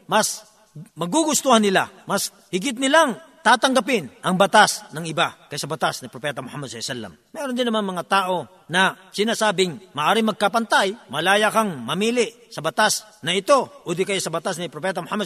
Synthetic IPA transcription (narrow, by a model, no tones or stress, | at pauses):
mɐs | mɐɡuɡʊst̪ohanːɪla̰mɐs | hɪɡɪt̪̚nɪlaŋt̪aːt̪ɐŋɡɐp̬ɪnʔɐŋbɐt̪asnɐŋɪbakɐjsɐbɐt̪asnɪpɾopɛːt̪ɐmʊhamːɐd̪sɐsɛlːɐ̰mmɛɾond̪ɪnːɐmanmɐŋat̪aːʔo̞ | nɐ | sɪnaːsaːbɪŋmɐʔaːɾɪŋmɐɡ̚kapɐnt̪ajmɐlaːjakaŋmɐmiːlɪʔ | sɐbɐt̪asnɐɪt̪o̞ʔud̪ɪkɐjsɐbɐt̪asnɪpɾopɛːt̪ɐmʊhamːɐ